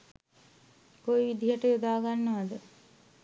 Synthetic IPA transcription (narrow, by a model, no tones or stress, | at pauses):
kojʋid̪ʱiɦəʈəjod̪aːɡanːəʋad̪ə